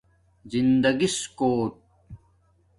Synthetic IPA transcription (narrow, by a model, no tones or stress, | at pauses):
zind̪ɐɡiskoːt̪̚